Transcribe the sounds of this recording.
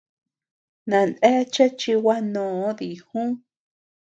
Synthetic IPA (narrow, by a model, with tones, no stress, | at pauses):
nã˨nẽ˦t͡ʃe˦t͡ʃi˧wa˦nõ˨˦ði˨hũ˦